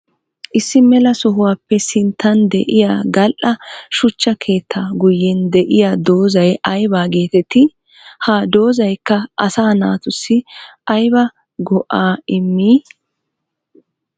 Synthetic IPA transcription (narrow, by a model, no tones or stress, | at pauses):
ʔɪsːɪmɛlɐsɔɦʊwaːpːɛsɪnt̪ʰːɐnd̪ɛ̰ʔɪjaːɡɐlʔɐʃʊt͡ʃːɐkʰe̞ːt̪ʰːaɡʊjːɛnd̪ɛʔɪjaːd̪o̞ːzɐjɐjbaːɡeːt̪ɛt̪ːɪ | haːd̪o̞ːzɐjkːɐʔɐsaːnaːt̪ʊsːɪʔɐjbɐ | ɡɔʔaːɪmːiː